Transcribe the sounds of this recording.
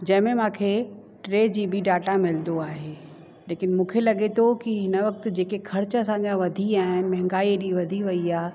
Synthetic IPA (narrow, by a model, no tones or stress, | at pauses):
d͡ʑɐ̃ɪ̃mẽmãːkʰe | ʈɾeːd͡ʑiːbiɖaːʈamɪlnd̪oaːɦeː | leːkɪn̆mũːkʰelɐɠet̪ʰokiɦɪnəʋɐk̚t̪ʊd͡ʑeːkexʰɐɾt͡ɕɐsãːɲd͡ʑaʋɐd̪ʱiaːɦɪnɪ̆mɐ̃ɦɪ̃ŋɡaːiɗiʋɐd̪ʱiʋɐiaː